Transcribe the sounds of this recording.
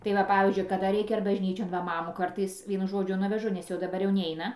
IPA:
tɐɪ ˈʋɐ ˈpɑːʋʲiːzʲd͡ʒʲʊɪ kɐˈdɐ ˈrʲɛɪkʲɛ ɐr bɐʒʲˈnʲiːt͡ʃʲoːn ˈʋɐ ˈmɑːmuːˈkɐrtɐɪs ˈʋʲiɛnʊ ˈʒoːd͡ʒʲʊ ˈnʊʋʲɛʒʊ nʲɛs jɛʊ dɐˈbɐr jɛʊ ˈnʲɛɪnɐ

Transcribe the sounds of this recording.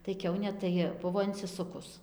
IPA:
tɐɪ ˈkʲɛʊnʲeː tɐɪ ˈbʊʋoː ɪnʲsʲɪˈsʊkʊs

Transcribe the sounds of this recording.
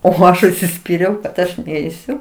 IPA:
oː ˈɐʃ ʊʃʲsʲɪˈsʲpʲiːrʲɛʊ kɐt ˈɐʃ ˈnʲɛɪsʲʊ

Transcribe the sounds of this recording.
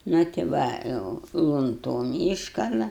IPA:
nʊ tʲɪ ˈʋɐ ˈjɛʊ lˠʊnˈtoːm ˈiːʃkɐlˠɐ

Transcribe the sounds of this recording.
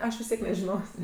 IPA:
ˈɐʃ ʋʲɪs ˈtʲiɛk nʲɛʒʲɪˈnoːsʲ

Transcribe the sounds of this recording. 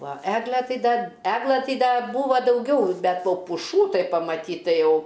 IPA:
ʋɐ ˈæːɡlʲæː ˈtɐɪ ˈdɐ ˈæːɡlˠɘ ˈtɐɪ ˈdɐ ˈbuːʋɐ dɐʊˈɡʲɛʊ ˈbʲɛt ˈʋɐ pʊˈʃuː ˈtɐɪ pɐmɐˈtʲiːt tɐɪ ˈjɛʊ

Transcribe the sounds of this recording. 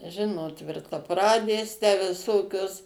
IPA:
ˈʒʲɪnoːt tʲʋʲɪrtɐˈprɑːdʲeːs tʲæː ʋʲɪˈsoːkʲoːs

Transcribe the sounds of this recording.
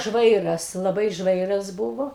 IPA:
ˈʒʋɐɪrɐs lˠɐˈbɐɪ ˈʒʋɐɪrɐs ˈbʊʋoː

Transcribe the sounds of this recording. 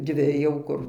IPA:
ˈdʲʋʲɪ jɛʊ ˈkʊr

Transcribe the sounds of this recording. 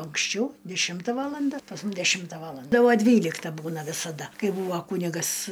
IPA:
ɐŋksʲˈt͡ʃʲɛʊ dʲɛˈʃʲɪmtɐ ˈʋɑːlˠɐndɐ pɐs ˈmʊm dʲɛˈʃʲɪmtɐ ˈʋɑːlˠɐndɐ ˈtɐɪ ˈʋɐ ˈdʲʋʲiːlʲɪktɐ ˈbuːnɐ ʋʲɪsɐˈdɐ ˈkɐɪ ˈbuːʋɐ ˈkuːnʲɪɡɐs

